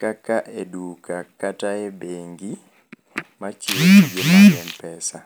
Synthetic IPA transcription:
kakːaʔedukakataɛbeŋɡi | mat͡ʃiid͡ʒɛmaɛnpɛsa

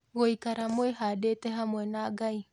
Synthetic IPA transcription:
ɣoikaɾamweɦadetɛɦamwɛnaːɡai

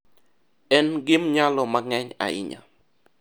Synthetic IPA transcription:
ɛnɡɪmɲalɔmaŋɛɲa̰ɪ̰ɲa̰

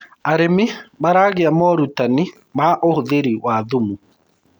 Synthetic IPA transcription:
aɾemɪbaɾaːɣeamɔɾutani | maʔohoðeɾiwaðumu

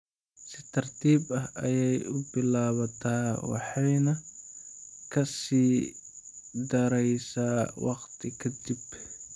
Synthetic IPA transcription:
sɪt̪ʰɐrt̪ʰiːbɐɦʔɐ̰jɛjʊbɪlaːβɐt̪ʰaːwɑ̰ħɑjnɐ | kʰɐsiː | d̪ɐɾɛjsaːwɑqt̪ʰɪkʰɐd̪ib

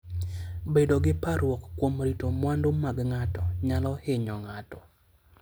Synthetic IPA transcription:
bedoɡɪpaɾwɔkːwomɾitomwandomaɡŋatɔɲalɔhɪɲɔŋatɔ

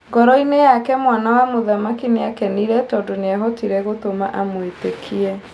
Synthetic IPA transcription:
ŋɡɔɾɔinejakɛmwanawamoðamakineakɛniɾɛtɔdoneaɦɔtiɾɛɣotoma̰ʔamwetekʰiɛ

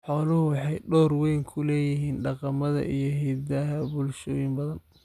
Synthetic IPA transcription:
ħɔːlʊhʊwɑħɑjɖɔːrwɛjŋkʰʊlɛːjɪɦiːnɖɑqɑmɐðɐ̰ʔijɞɦɛːd̪ɐɦɐbʊlʃɔːjɪmbɐðɐn

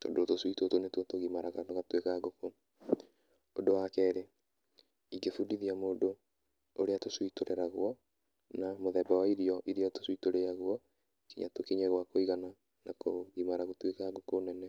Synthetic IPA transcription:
to̰dotoswitotonetwotoɣimaɾaɣanoɣatwekaɡoko | odowakɛːɾe | iɡefudiðiamoːdo | oɾeatoswitoɾɛɾaɣwɔ | namoðɛbawaiɾiɔʔiɾiɔto̥sitoɾeaɣwɔ | kiɲatokiɲeɣwakoiɣana | nakoɣimaɾaɣotwekaɡokoːnɛnɛ

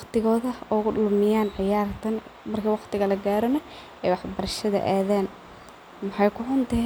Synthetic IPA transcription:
wqt̪ɪɣɔːðɐɔɣʊɗʊlmɪjaːnʕɪjaːrt̪ʰɐnmɐrkʰiːwɑqt̪ɪɣɐlɐɡaːɾɔnɐ | ɛjwɑħbɐɾɐʃɐðɐ̰ʔaːðɛːn | mɑħɑjkʰʊʕʊnt̪ɐɦ

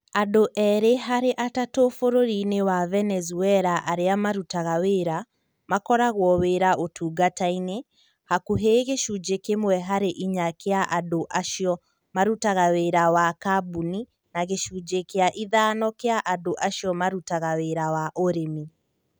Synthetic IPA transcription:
adoʔɛɾeɦaɾeʔatatofoɾoɾinewavɛnɛzuɛɾaʔaɾeamaɾutaɣaweɾa | makɔɾaɣwɔweːɾaʔotʰuːɡataine | hakuɦeɣeʃud͡ʒekemwɛɦaɾeʔiɲakeaʔadoʔaʃjɔ | maɾutaɣaweɾawakabuni | naɣeʃud͡ʒekeaʔiðaːnɔkeaʔadoʔaʃijɔmaɾutaɣaweɾawaʔoɾemi

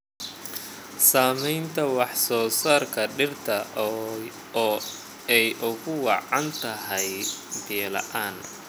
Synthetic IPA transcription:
saːmɛjnt̪ʰɐwɑħsɔːsaːrkʰɐɖɪrt̪ʰɐ | ɛjʔʊɣʊwɑʕɑnt̪ʰɐɦɛjbɛːlɐ̰ʔaːn

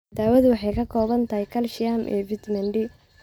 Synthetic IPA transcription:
d̪aːwɐðʊwɑħɑjkʰɐkʰɔːβɐnt̪ʰɐɦikʰɐlʃɪjaːmʔɛ̰ːvɪt̪mɐɳɖɪ

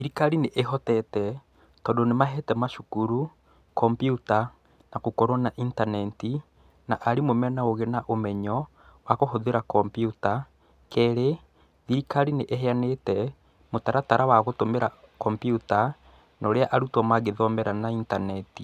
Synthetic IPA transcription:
iɾikaɾineʔeɦɔtɛtɛ | tɔdonemaɦɛtɛmaʃukuɾu | kɔmpiuta | naɣokɔɾɔnaʔintanɛti | naʔaɾimomɛnaoɣenaʔomɛɲɔ | waɣohoðeɾakɔmpjuta | kɛɾe | ðiɾikaɾineʔeɦeanetɛ | motaɾataɾawaɣotomeɾa | kɔmpiuta | nɔoɾeaʔaɾutɔmaɣeðɔmɛɾanaintanɛti

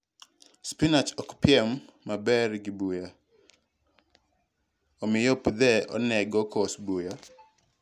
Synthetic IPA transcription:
spinat͡ʃɔkpɪɛmːabɛrɡɪbuja | omɪjopud̪ɛɔ̰nɛɡɔkɔsbuja

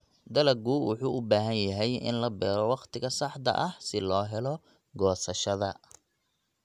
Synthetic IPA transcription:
d̪ɐlɐɡuːwʊħuːʔʊbaːɦɐnjɐɦɛjɪ̰nlɐbɛːɾɔwɑqt̪ʰɪɣɐsɑħt̪ɐ̰ʔɐhsɪlɔːɦɛlɔ | ɡɔːsɐʃɐðɐ

